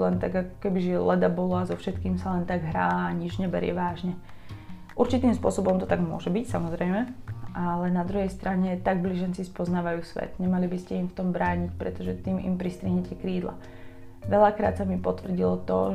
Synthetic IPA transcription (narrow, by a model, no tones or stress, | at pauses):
lɛnt̪aɡakɔ̥kɛbiʒiɛlɛd̪abɔlɔazɔfʃɛt̪kiːmsalɛnt̪aɡɦɾaːaɲid͡ʒɲɛbɛɾɪɛ̰ʋaːʒɲɛ | ʔuɾt͡ʃit̪iːmspʊɔsɔbɔmt̪ɔt̪aɡmʊɔ̰ʒɛbicsamɔzɾɛjmɛʔalɛnad̪ɾuɦɛjst̪ɾaɲɛt̪aɡbliːʒɛnt͡sispɔznaːʋajuːsʋɛ̰d̪ɲɛmalibiscɛimft̪ɔmbɾaːɲicpɾɛt̪ɔʒɛt̪iːmʔḭmpɾist̪ɾiɦɲɛcɛkɾiːd̪la̰ | ʋɛʎakɾa̰ːt̪samipɔt̪ʋr̩ɟilɔt̪ɔ